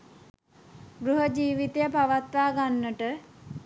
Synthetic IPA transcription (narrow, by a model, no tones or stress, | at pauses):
ɡɾuɦəd͡ʒiːʋit̪ejəpaʋat̪ʋaːɡanːəʈə